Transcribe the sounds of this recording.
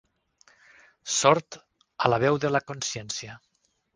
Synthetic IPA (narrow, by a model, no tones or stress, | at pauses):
sɔɾt̪ | alaβɛwðəlakonsjɛnsja